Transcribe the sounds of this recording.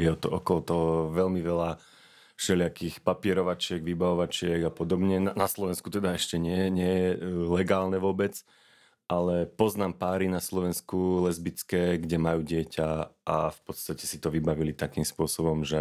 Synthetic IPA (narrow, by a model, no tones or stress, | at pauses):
jɛɔt̪ɔʔɔkɔlɔt̪ɔɦɔʋɛlmiʋɛla | ʃɛlɪakixpapɪɛɾɔʋat͡ʃɪɛɡʋibaʋɔʋat͡ʃɪɛɡapɔd̪ɔbɲɛnanaslɔʋɛnskut̪ɛd̪aɛʃcɛɲɪɛɲɪɛjɛlɛɡaːlnɛʋʊɔbɛt͡s | ʔalɛpɔznaːmpaːɾinaslɔʋɛnskulɛzbit͡skɛːɡɟɛmajuːɟɪɛcaafpɔt̪st̪acɛsit̪ɔʋibaʋilit̪akiːmspʊɔsɔbɔmʒɛ